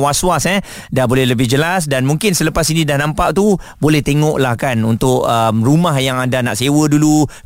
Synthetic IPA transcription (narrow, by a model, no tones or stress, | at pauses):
waswasɛ | dabolɛɦləbɪɦd͡ʒəlasdanmũŋkɪnsələpasinĩdahnãmpaʔt̪ubolɛht̪eŋɔʔlahkanunt̪ʊʔəmrumaɦjaŋadanaʔsewədulu